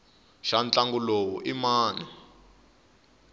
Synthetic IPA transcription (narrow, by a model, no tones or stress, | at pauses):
ʃant͡ɬʼaŋɡulowuʔimaːnɛ